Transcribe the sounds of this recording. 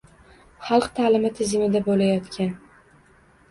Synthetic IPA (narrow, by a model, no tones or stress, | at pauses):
χɑlˠqt̪ʰaːlɪmɪt̪ʰɪzɪmɪd̪abolajɒt̪kʲan